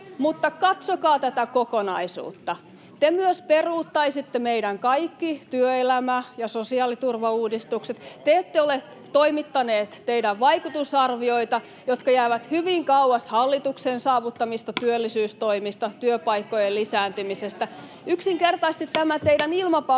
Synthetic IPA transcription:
mut̪ːɑkɑt̪sokɑːt̪æt̪ækokonɑisṵːt̪ːɑ | t̪emyøsperuːt̪ːɑisit̪ːemeidæŋkɑikːit̪yøelæmæjɑsosiɑːlit̪urʋɑuːdist̪ukset̪t̪eet̪ːeole | t̪oimit̪ːɑneːt̪t̪eidæʋʋɑikut̪usɑrʋioit̪ɑ | jot̪kɑjæːʋæt̪hyʋiŋkɑuɑshɑlːit̪uksensɑːʋut̪ːɑmist̪ɑt̪yølːisyːst̪oimist̪ɑt̪yøpɑikːojelisæːnt̪ymisest̪æ | yksiŋkert̪ɑist̪it̪t̪æmæt̪eidænilmɑpɑ

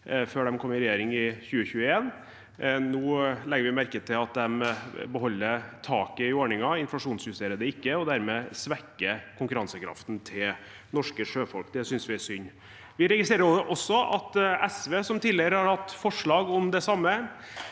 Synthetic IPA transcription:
føːɖɛmkʰɔmːɪɾɛjeːɾɪŋɪçʉːəçʉːəeːn | nuːlɛɡəɾʋɪmæɾkət̪ʰɪlɑt̪̚d̪ɛmbəɦɔlːəɾt̪ʰɑːkəɪoːɳɪŋɑɪnflɑʂuːnsjʉst̪eːɾəd̪əɪkːəɔd̪æɾmɛːsʋɛkːəkʰʊŋkʉɾɑnsəkʰɾɑ̰ft̪nt̪ʰɪl | nɔʂkəʂøːfɔlkd̪ɛsʏnsʋɪæʂʏnː | ʋɪɾɛɡɪsɾeːɾəɾʔɔsːɔʔɑ̰t̪ɛsʋeːsɔmt̪iːlɪəɾəhɑɾhɑt̪ːfɔʂɭɑːɡɔmd̪ɛsɑmːə

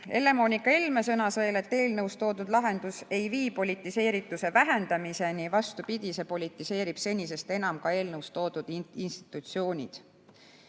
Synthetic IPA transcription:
e̞le̞mo̞nʲikːˑɑelme̞sɤnɑsɤjle̞t̪ːe̞ːlnɤwst̪o̞ːd̪ud̪̥lɑɦe̞nd̪̥use̞jviːpo̞lit̪ːˑise̞ːɾit̪ːˑuse̞væɦe̞nd̪̥ɑmise̞nivɑst̪upid̪̥ʲise̞po̞lʲit̪ːise̞ːɾib̥se̞nʲːise̞st̪e̞nɑmkɑe̞ːlnɤwst̪o̞ːd̪̥ud̪̥iinst̪i̥t̪ːˑut̪sio̞ːnʲḭd̪̥

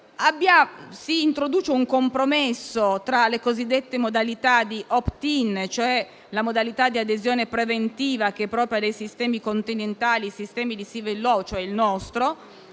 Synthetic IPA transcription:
abːjasiːnt̪ɾod̪uːt͡ʃeuŋkompɾomesːot̪ɾalekozid̪ːet̪ːemod̪alit̪ad̪iʔɔpt̪int͡ʃoɛ | lamod̪alit̪ad̪iad̪ezjoːnepɾevent̪iːvak̟eɛpːɾɔːpɾjod̪ejsist̪ɛːmikont̪inent̪aːlisist̪ɛːmid̪isivelːɔt͡ʃoɛilnɔst̪ɾo

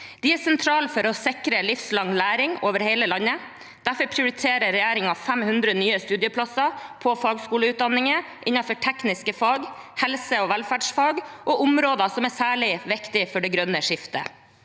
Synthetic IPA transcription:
d̪̥ɪæsɛnt̪ʰɾɑːlfɔɾɔsɪkɾəlɪfslɑŋlæːɾɪŋoːʋəɾheɪləlɑnːə | d̪̥æɾfɔɾpʰɾɪʊɾɪt̪ʰeːɾəɾɛjæːɾɪŋɑfɛmhʉnd̪ɾənyːəst̪ʉːd̪ɪəpʰlɑsɑpʰɔfɑːɡskuːləʉːt̪̚d̪ɑnːɪŋə | ʔɪnːɑfɔʈʰɛknɪskəfɑːɡhɛlsəɔʋælfæɖʂfɑːɡʔɔʔʊmɾoːd̪ɑsɔmæsæːɭɪʋɪkt̪ɪfɔɖɛɡɾœnəʂɪft̪ə̰

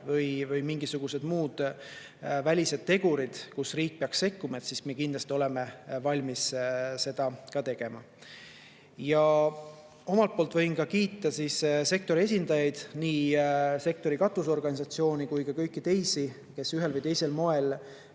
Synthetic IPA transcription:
vɤjvɤjmiŋɡisuɡ̥use̞d̪muːd̪̥ | vælʲise̞d̪̥̚t̪ːe̞ɡ̥uɾid̪̥kusriːk̚peɑksse̞kːumɑet̪sismeekind̪lɑst̪io̞le̞me̞vɑlʲmisse̞d̪̥ɑkɑt̪e̞ɡ̥e̞mɑ | jɑ | o̞mɑlt̪̚po̞ːlt̪ˑvɤ̞jnkɑkiːt̪ˑːɑsisse̞k̚t̪o̞ɾies̬ʲind̪̥ɑjɑjd̪̥niːse̞k̚t̪o̞ɾikɑt̪uso̞rɡ̥ɑnʲisɑt̪sio̞ːnikujkɑkɤ̞jkːˑit̪e̞jsi | ke̞syɦe̞lvɤjt̪ejse̞lmo̞e̞l

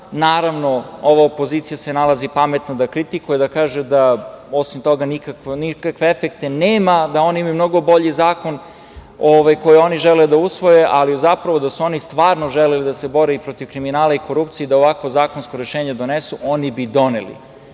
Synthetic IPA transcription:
naːɾaʋno̞oʋaopo̞ziːt̪sijasenalˠazipame̞t̪nod̪akɾit̪ikujed̪akaːʒed̪ao̞simt̪o̞ɡanikaknikakʋeefekt̪e̞neːmad̪ao̞niimajumno̞ɡo̞bo̞ʎizaːko̞n | oʋajko̞jio̞niʒeleud̪ausʋo̞je̞ʔalizapɾaʋo̞d̪asuo̞nist̪ʋaːɾnoʒelelid̪ase̞bo̞ɾeipɾot̪iʋkɾiminaːlˠaiko̞ɾupt̪sijed̪aoʋakʋozaːkonskoɾeʃeːɲed̪o̞nesuʔo̞nibid̪o̞nḛlḭ

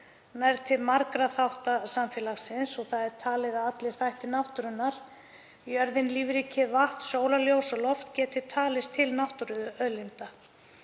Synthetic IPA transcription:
najɾt̪ʰɪlmaɾkɾaθawht̪asamfjɛːlaxsɪnsɔɣθaðɛɾ̥t̪ʰaːlɪðaðat̪lɪɾ̥θajht̪ɪnawht̪ʏɾʏnːaɾ̥ | iœɾðɪnliːvɾicʰɪvaht̪soːwlaljoːwsɔlɔft̪cɛːt̪ɪt̪ʰaːlɪst̪ʰɪlnawht̪ʏɾʏðʏœlɪnt̪a

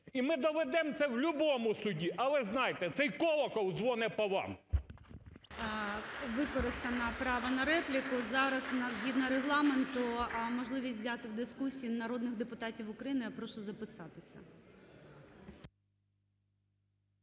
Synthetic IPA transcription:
imɪd̪ɔʋɛd̪ɛmt̪sɛwlʲʊbɔmʊsʊdʲiʔɐlˠɛznɑjt̪ɛt̪sɛjkɔlˠɔkɔwzʋɔnɛpɔʋɑ̰m | ʋɪkɔɾɪst̪ɐnɐpɾɑʋɐnɐɾɛplʲɪkʊzɑɾɐzʊnɑzɦʲid̪nɐɾeɦlˠɑment̪ʊmɔʒlˠɪʋʲisʲzʲat̪ɪwd̪ɪskusʲiːinɐɾɔd̪nɪxd̪epʊt̪ɑtʲiwʊkɾɐjinɪjɐpɾɔʃʊzɐpɪsɑt̪ɪsʲɐ

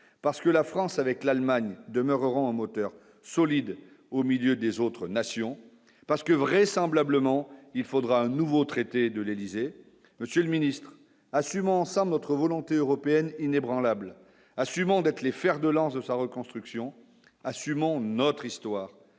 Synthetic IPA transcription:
paʁsə̥kəlafχɑ̃savɛklalmaɲd̪əmœʁəʁɑ̃ɛ̃mɔt̪œʁ | sɔlid̪ | omiljød̪ezot̪χənasjɔ̃ | paʁsə̥kəvʁɛsɑ̃blabləmɑ̃ilfod̪ʁaɛ̃nuvot̪χet̪ed̪əlelize | məsjøləminist̪χ | asymɑ̃ɑ̃sɑ̃blnɔt̪χəvɔlɔ̃t̪eøʁɔpeɛninebʁɑ̃labl | asymɑ̃d̪ɛt̪χlefɛʁd̪əlɑ̃sd̪əsaʁəkɔ̃st̪χyksjɔ̃ | asymɑ̃nɔt̪χist̪waːʁ

